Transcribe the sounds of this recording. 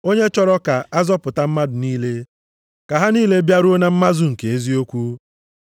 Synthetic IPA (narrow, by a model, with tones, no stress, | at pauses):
o˦ɲe˦t͡ʃɔ˦ɾɔ˦ka˨a˦zɔ˦pʊ˨ta˦m̩˦ma˦dʊ˨niː˦le˦ | ka˨ɦa˦niː˦le˦bja˦ɾu˦o˦na˦m̩˦ma˦zʊ˦ŋ̩˨ke˨e˦zi˦o˦kʷu˦